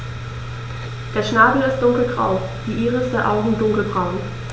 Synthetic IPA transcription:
d̥eːɐʃnaːdl̩ɪst̚d̥ʊŋkl̩ɡʁa̰ʊ | v̥iːʔiːʁəsd̥eːɐʔaʊɡŋ̩dʊŋkl̩bʁaʊn

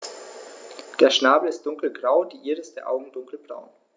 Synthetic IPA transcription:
d̥eːɐʃnaːbl̩ɪst̚d̥ʊŋkl̩ɡʁaʊdiːʔiːʁəɪstd̥eːɐʔaʊɡŋ̩dʊŋkl̩bʁa̰ʊn

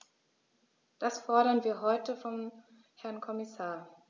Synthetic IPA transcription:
d̥asfɔɐɾɐnviːɐɦɔʏtəfɔm | hɛɐnkʰɔmɪsaːɐ

